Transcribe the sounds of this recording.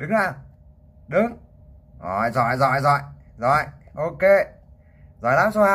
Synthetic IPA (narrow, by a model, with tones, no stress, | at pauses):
ɗɨ˨˦ŋzaː˨˩ | ɗɨ˨˦ŋ | ʔɔ˧˩jzɔ̰˧˨jzɔ̰˧˨jzɔ̰˧˨jzɔ̰˧˨jʔo˧ke˧ | zɔ̰˧˨jlaː˨˦˥mso˧˦haː˧